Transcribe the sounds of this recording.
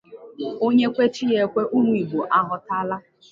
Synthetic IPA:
o˦ɲe˦kʷe˦t͡ʃi˦je˦kʷe˦ʔu˦mʷu˨i˨bo˨ʔa˦ɦʊ˨ta˦la˦

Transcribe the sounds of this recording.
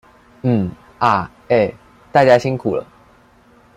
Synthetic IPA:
n̩˥˩ | a˥˩ | e˥˩ɪ | t̪a˥˧˩t͡ɕja˥ɕi˦ŋkʰu˨˩lə̰˦

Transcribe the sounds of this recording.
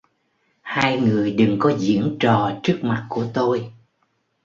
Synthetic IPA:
haː˧jŋɨ˨˩əjɗɨ˨˩ŋkɔ˨˦zḭ˧˥əŋt͡ɕɔ˨˩t͡ɕɨ˦˥ək̚ma˨˩t̚ku˧˩ət̪o˧j

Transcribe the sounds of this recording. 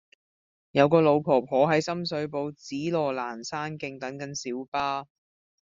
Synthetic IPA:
jɐ˨˧wkɔː˧lo˨˧wpʰɔː˨˩pʰɔː˨˥ɦɐ˨˥jsɐ˥msɵ˨˥ɥpo˨˧wt͡siː˨˥lɔː˨˩laː˨˩nsaː˥nkɪ˧ŋt̪ɐ˨˥ŋkɐ˨˥nsiː˨˥wpaː˥

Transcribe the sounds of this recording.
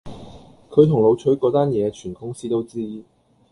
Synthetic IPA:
kʰɵ˨˧t̪ʰʊ˨˩ŋlo˨˧wt͡ʃʰɵ˨˥ɥkɔː˨˧˥t̪aː˥njɛː˨˧t͡ʃʰyː˨˩nkʊ˥ŋsiː˥t̪o˥wt͡siː˥

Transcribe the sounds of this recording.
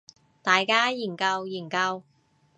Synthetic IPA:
t̪aː˨jkaː˥jiː˨˩nkɐ˧wjiː˨˩nkɐ˧w

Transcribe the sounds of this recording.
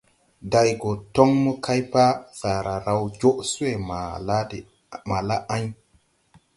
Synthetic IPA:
da˨jɡo˨to˦ŋmə˦kʰa˦jpa˦sa˨ɾa˨ɾa˨wd͡ʒo˦ʔsu˦we˨ma˨a˦d | ma˨la˦ʔa˦ɲ

